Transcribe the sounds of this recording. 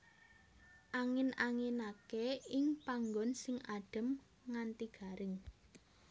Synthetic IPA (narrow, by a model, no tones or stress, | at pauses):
ʔaŋɪnaŋɪnakeɪŋpaŋɡɔnsɪŋʔaɖ̥ə̤m | ŋant̪iɡ̥a̤ɾɪŋ